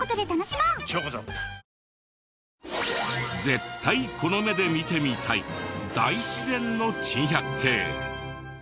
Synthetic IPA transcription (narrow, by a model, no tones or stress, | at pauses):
kot̪od̪et̪anoɕimat͡ɕoːkot͡ɕo̰ | d͡ze̞t̪ʰːaikʰo̞no̞me̞d̪e̞mʲit̪e̞mʲit̪ʰaḭd̪a̰iɕizẽ̞nːo̞t͡ɕĩɰ̃çʲakɯ̟̥t̪ʰe̞ː